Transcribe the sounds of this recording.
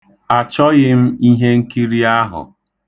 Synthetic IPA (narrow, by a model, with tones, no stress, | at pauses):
a˨t͡ʃɔ˦ɣɪ˦m̩˦i˦ɦe˦ŋ̩˦ki˦ɾi˦a˦ɦʊ̰˨